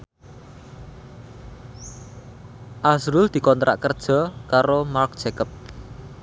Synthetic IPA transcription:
ʔasɾʊld̪̥i̤kɔnt̪ɾʔa̰ʔkərd̥ʒ̥ɔ̤kaɾomark̚d̥ʒ̥ekəp̚

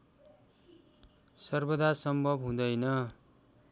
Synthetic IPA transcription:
sʌrbʌd̪asʌmbʱʌbɦũd̪ʌjnʌ

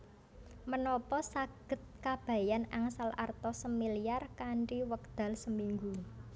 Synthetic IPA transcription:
mənɔpɔsaɡ̥ə̤t̪̚kab̥a̤janaŋsala̰rt̪ɔsəmiliarkaɳʈiwək̚d̪̥a̤lsəmiŋɡu

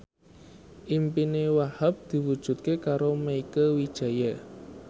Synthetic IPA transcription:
ʔimpinewahap̚d̪̥i̤wud̥ʒ̥ṳt̪̚kekaɾoməikəwid̥ʒ̥ä̤ja

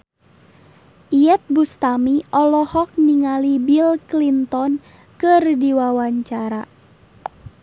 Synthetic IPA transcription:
ʔijɛt̪̚bust̪amiʔɔlɔhɔk̚niŋalibilklint̪ɔn | kɨrdiwawaɲt͡ʃaɾa

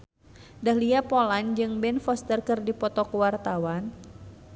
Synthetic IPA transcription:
dahliapoland͡ʒɨŋbɛnfɔst̪ərkɨrdipɔt̪ɔkuwart̪awan

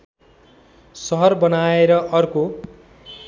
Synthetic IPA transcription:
sʌɦʌrbʌnaeɾʌʔʌrko

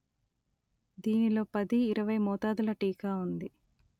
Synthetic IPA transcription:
d̪iːnilo̞ːpɐd̪iːɾɐʋɐjmɔːt̪aːd̪ulɐʈiːkaːund̪i

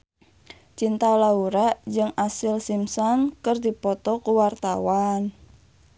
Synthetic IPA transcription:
t͡ʃint̪aolauɾaʔd͡ʒɨŋasɪlsimsɔnkərd̪ipɔt̪ɔkuwart̪awan

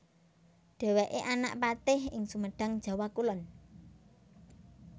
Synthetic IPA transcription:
ɖ̪̥ɛ̤weʔeʔana̰ʔpat̪ɪhɪŋsuməɖ̥a̤ŋd̥ʒ̥a̤wakulɔn

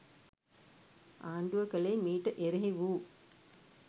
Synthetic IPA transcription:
ʔaːɳɖuʋəkəlejmiːʈəʔeɾeɦiʋuː

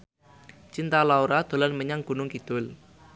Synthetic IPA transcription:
t͡ʃint̪alauɾad̪̥o̤lanməɲaŋɡ̥ṳnʊŋkid̪̥ʊl

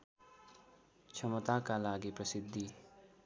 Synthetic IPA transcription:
t͡ʃʰʌmʌt̪akalaɡiprʌsid̪ʱːi

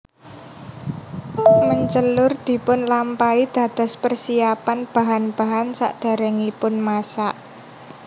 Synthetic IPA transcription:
məɲt͡ʃəlʊrd̪̥i̤pʊnlampaid̪̥ä̤d̪̥ɔ̤spərsiapanb̥a̤ɦanb̥a̤ɦansa̰ʔd̪̥a̤ɾɛŋipʊnmasaʔ

